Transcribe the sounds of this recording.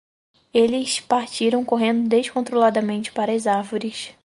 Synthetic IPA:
elɪspaɾt͡ʃiɾɐ̃w̃koɦẽnd̪ʊd̪eʃkõnt̪ɾolad̪ɐmẽnt͡ʃɪ̥paɾɐzaɾvoɾɪs

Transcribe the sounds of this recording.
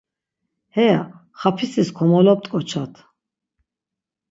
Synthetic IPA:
hɛa | χapʰisiskʰɔmɔlɔp̚t̪ʼkʼɔt͡ʃʰat̪ʰ

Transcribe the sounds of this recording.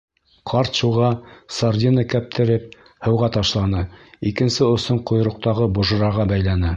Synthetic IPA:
qʰɑɾt̪ʃuʁɑsard̪ʲinəkæp̚t̪ʰɘ̆ɾɘp̚ | hɤ̆wʁɑt̪ɑʃlˠɑnɤikɘ̆nsɘŏsɤɴqŏj̆ɾŏq̚t̪ɑʁɤbŏʒɤ̆ɾɑʁɑbæjlænɘ

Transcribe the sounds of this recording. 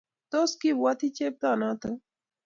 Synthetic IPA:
t̪oskibat̪ʰit͡ʃeːp̚t̪aːnãt̪ə

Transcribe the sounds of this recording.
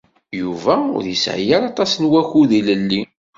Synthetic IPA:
juvæʊ̰ɾðisʕjaɾɑt̪ˤɑsnwæçuðiləlːi

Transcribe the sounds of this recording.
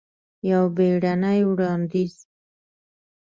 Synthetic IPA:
jawbeɽanajwɽɑnd̪iz

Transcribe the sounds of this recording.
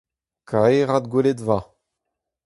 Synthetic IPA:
kaeʁad̪ɡweledva

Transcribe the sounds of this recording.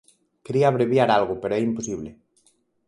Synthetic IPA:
keɾiaːβ̞ɾeβjaɾalɣopeɾoɛimposiβle

